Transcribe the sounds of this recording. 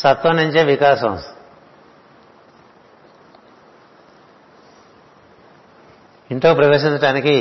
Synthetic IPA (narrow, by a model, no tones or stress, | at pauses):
sɐt̪ːoniɲt͡ʃeːʋikaːsɐ̰̃m | iɳʈloːpɾɐʋeːsiɲt͡ʃɐʈaːniki